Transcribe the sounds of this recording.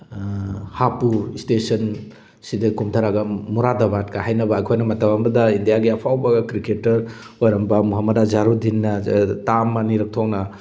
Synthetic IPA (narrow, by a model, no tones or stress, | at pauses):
hapuistesɐn | sidikumtʰaɾaɡɐmuɾadabatkaɦajnɐbɐːjkʰojnɐmɐtabambɐdɐindijaɡiɐpʰawbaɡɐkɾiketːɐɾ | ojɾɐmbɐmuɦamɐdazaɾudinːɐtamaniɾɐk̚tʰɔknɐ